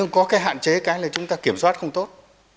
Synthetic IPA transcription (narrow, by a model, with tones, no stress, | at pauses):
ɨ˧ŋkɔ˨˦kaː˨˦jɦa̰ː˧˨nt͡ɕe˨˦kaː˨˦jlaː˨˩t͡ɕʊ˨˦ŋ͡mt̪aː˧ki˧˩əmswaː˦˥t̚xə˧wŋ͡mt̪o˦˥t̚